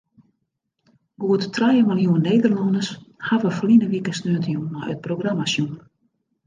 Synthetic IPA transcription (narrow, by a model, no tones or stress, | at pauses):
ɡuəttʰrajəmaljuənːeːdərlɔndəshavəflinəʋikəsnøːtəjunmajə̰t̚proɡramasjun